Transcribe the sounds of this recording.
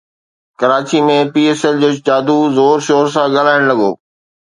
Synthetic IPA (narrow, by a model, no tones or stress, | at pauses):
kɐɾaːt͡ɕimẽpiːeːsɛld͡ʑoːt͡ɕaːd̪uzoːɾʃoːɾsãɠaːlaːɪɽ̃lɐɠo̰ː